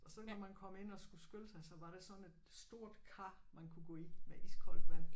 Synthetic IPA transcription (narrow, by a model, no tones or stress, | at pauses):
ɒ̽sɒ̽nɒmænkʰɒ̽me̝n̰ɒ̽sɡ̥usɡ̥ølsɑ̈ɪsɒ̽ʋɑ̈ɾ̥e̝sɒ̽ne̝d̥sd̥o̝ɐ̰d̥kʰɑ̈mænkʰuɡ̥ɔ̰ːimeʔisɡ̥ʰɒlmæn̰